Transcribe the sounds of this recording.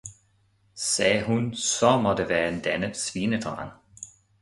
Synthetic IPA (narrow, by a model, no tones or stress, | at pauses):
sɛːɦunsɒmɒd̥əʋæːɐend̪̥ænə̥sʋiːnəd̥ʁɑ̰ːn